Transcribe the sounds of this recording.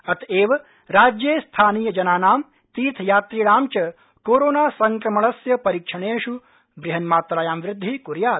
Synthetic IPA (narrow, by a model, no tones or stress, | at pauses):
ɐt̪eːʋɐ | ɾaːd͡ʒjeːst̪ʰaːniːjɐd͡ʒɐnaːnaːm | t̪iːt̪ʰjaːt̪ɾiːɽaːmt͡ʃɐ | koːɾoːnaːsɐŋkɾɐmɐɭɐsjɐpɐɾiːkʂɐɳeːʂu | bɾɪɦɐnmaːt̪ɾaːjaːmʋɾɪd̪ʱːikuɾjaːt̪